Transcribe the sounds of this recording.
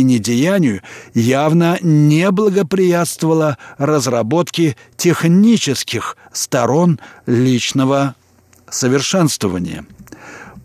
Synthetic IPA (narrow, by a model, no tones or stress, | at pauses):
ɪnʲɪdʲɪjanʲɪjʊjavnənʲeblˠəɡəpɾʲɪjat̪st̪vəvəlˠərəzrɐbo̞t̪kʲɪ | tʲɪxnʲit͡ɕɪskʲɪx | st̪ɐɾo̞nlʲit͡ɕnəvə | səvʲɪrʂɛnst̪vəvə̰nʲɪ̰jə̰